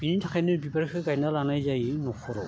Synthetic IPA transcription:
b̥initʰakʰajnɯbibaɾkʰɯɡajnalanajzajinɔkʰɔɾɔ

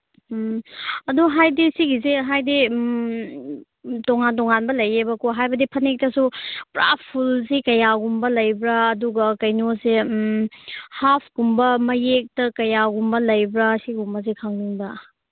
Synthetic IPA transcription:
ɐduɦajdisiɡizeɦajdim | toŋantoŋanbɐlɐjebɐkoɦajbɐdipʰɐnek̚tɐsupɾa̰pʰulzikɐjaɡumbɐlɐjbɾɐːduɡɐkɐjnose | hapʰɡumbɐmɐjek̚tɐkɐjaɡumbɐlɐjbɾɐsiɡumbɐzekʰaŋliŋbɐ

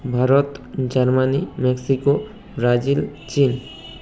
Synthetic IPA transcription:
bʱaɾɔt̪d͡ʒaɾmanimɛksiko | bɾad͡ʒil | t͡ʃin

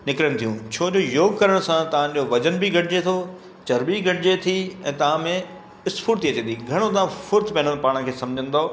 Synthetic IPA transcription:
nɪkɾəɽ̃̆t̪ʰijũt͡ɕʰoːd͡ʑoːjoːɡkɐɾəɽ̃sãt̪ɐʋ̤ãʄd͡ʑoʋɐd͡ʑənbɪɡʱɐʈʰɪd͡ʑet̪ʰo | t͡ɕɐɾbiɡʱɐʈɪd͡ʑet̪ʰiɛ̃ːt̪ɐʋ̤ãmẽ | ɪspʰuːɾt̪iɐt͡ɕẽnd̪iɡʱɐɽ̃ot̪ɐãfʊɾt̪pɛ̃ːnəɽpaːɽ̃̆kʰeːsɐ̃md͡ʑʱə̃n̆d̪a

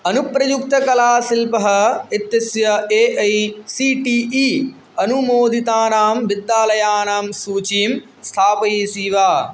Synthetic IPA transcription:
ɐnupɾɐjuk̚t̪ɐkɐlaːsilpɐɦɐit̪jɐsjɐeːʔɐjsiːʈiːʔiː | ɐnumoːd̪ʱit̪aːnaːmʋid̪ːaːlɐjaːnaːmsuːt͡ʃiːm | st̪ʰaːpɐjiːsiːʋaː

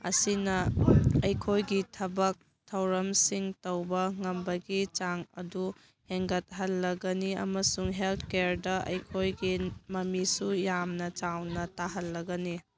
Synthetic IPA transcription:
ɐ̰sinɐɐjkʰojɡitʰɐbɐk̚ | tʰɐwɾɐmsiŋtɐwbɐŋɐmbɐɡit͡ʃaŋɐ̰du | heŋɡɐt̚ɦɐlːɐɡɐniɐ̰mɐsuŋɦeltʰkeɾdɐʔɐ̰jkʰojɡimɐmisujamnɐt͡ʃawnɐtaɦɐlːɐɡɐni

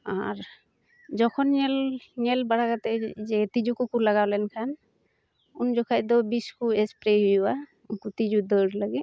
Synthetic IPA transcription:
aɾ | d͡ʒɔkʰɔnɲɛlɲɛlbaɽakat̪ɛd͡ʒɛt̪id͡ʒukukulaɡawlɛnkʰan | und͡ʒɔkʰajd̪ɔbiskuɛspɾeɦujwa | unkut̪id͡ʒud̪əɾlaɡɛ

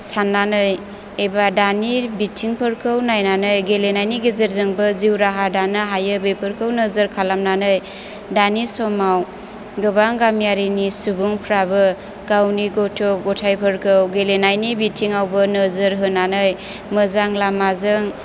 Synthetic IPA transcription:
sanːanɯj | ebadanibitʰiŋpʰɯɾkʰɯwnajnanɯjɡelenajniɡezəɾzɯŋbɯziwɾaɦadanaɦajɯbepʰɯɾkʰɯwnəzəɾkʰalamnanɯj | danisɔmaw | ɡɯbaŋɡamjaɾinisubuŋpʰɾabɯ | ɡ̥awniɡɔtʰɔɡɔtʰajpʰɯɾkʰɯwɡelenajnibitʰiŋawbɯnɯzɯɾɦɯnanɯj | mɯzaŋlamazɯŋ

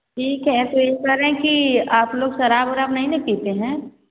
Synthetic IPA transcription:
ʈʰiːkɦɛt̪oet̪əɾẽkiaːploːɡʃɐɾaːbɔːɾaːpnɐɦĩnɐɦĩpiːt̪eɦɛ̃ː

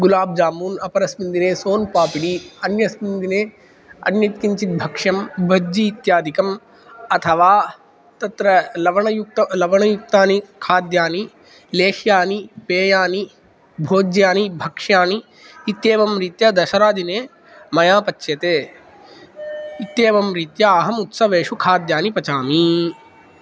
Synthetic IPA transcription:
ɡulaːb̚d͡ʒaːmuːnɐpɐɾɐsmind̪ineːsoːnpaːpiɽiɐnjɐsmind̪ineː | ɐ̰njɐt̪kiɲt͡ʃit̪̚bʱɐkʂɐmbʱɐd͡ʒiːt̪jaːd̪ʱikɐm | ɐt̪ʰɐʋaː | t̪ɐt̪ɾɐlɐʋɐɳɐjuk̚t̪ɐlɐʋɐɳɐjuk̚t̪aːnikʰaːd̪jaːni | leːʃjaːnipeːjaːni | bʱoːd͡ʒjaːnibʱɐkʂjaːniː | t̪jeːʋɐmɾit̪jɐd̪ɐʃɐɾaːd̪ʱineː | mɐjaːpɐt͡ʃːʃjɐt̪eː | it̪jeːʋɐmɾit̪jɐːɦɐmut̪sɐʋeːʂukʰaːd̪jaːnipɐt͡ʃaːmi

